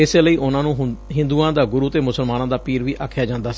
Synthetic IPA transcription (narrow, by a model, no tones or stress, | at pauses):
ɪseːləiːʔʊnãːnũːɦɦɪ̃nd̪uːãːd̪aːɡʊɾuːt̪eːmʊsəlmaːnãːd̪aːpiːɾʋiːʔa̰ːkʰjaːd͡ʒãːnd̪aːsiː